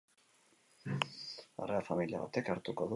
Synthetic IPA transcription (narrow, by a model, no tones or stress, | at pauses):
a̰reafamilia̰βa̰t̪e̞kaɾt̪ukoðu